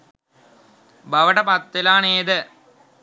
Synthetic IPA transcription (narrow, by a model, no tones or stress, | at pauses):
bʱɐʋɐʈɐpɐt̪ːilaːneːðɨ